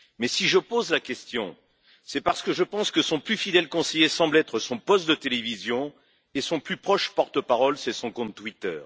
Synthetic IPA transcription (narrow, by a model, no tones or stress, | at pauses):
mɛsiʒəpozlakʲɛst̪jɔ̃ | sɛpaʁsə̥kəʒəpɑ̃skəsɔ̃plyfid̪ɛlkɔ̃sejesɑ̃blɛt̪χəsɔ̃pɔst̪̚d̪ət̪elevizjɔ̃ | esɔ̃plypχɔʃpɔʁt̪əpaʁɔlsɛsɔ̃kɔ̃t̪ːwit̪œ̰ːʁ